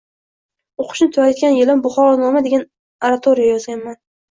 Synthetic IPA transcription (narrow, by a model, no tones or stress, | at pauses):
oqʰʊ̥ʃnɪt̪ʰʊwaɾad̪ɡʲanjɪlambʊχɒnɒmad̪e̞ɡʲan | aɾat̪ʰoɾijajɒzɡʲanman